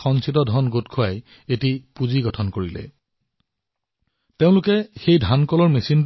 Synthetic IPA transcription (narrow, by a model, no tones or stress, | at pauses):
xɔŋsitɔdʱɔnɡotkʰʊaj | etipuziɡɔtʰɔnkoɹilɛ̰ | teʊ̃lʊkɛxejdʱankɔlɔɹmesin